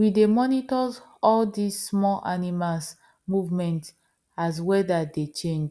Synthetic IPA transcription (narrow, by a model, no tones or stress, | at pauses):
widemɔnitɔz | ɔldisːmɔlʔanimals | muvmɛ̃nt | az̬wɛdadet͡ʃẽnd͡ʒ